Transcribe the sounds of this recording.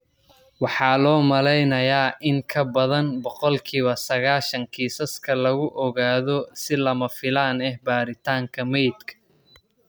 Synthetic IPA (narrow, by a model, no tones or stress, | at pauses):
wɑħɑːlɔːmɐlɛjnɐjaːʔɪŋkʰɐbɐðɐnbɔqɔlkʰiːβɐsɐɣaːʃɐŋkʰiːsɐskʰɐlɐɣʊʔɔɣaːðɔsɪlɐmɐfɪlaːnɛhbaːɾɪt̪ʰaːŋkʰɐmɛjd̪kʰɐ̥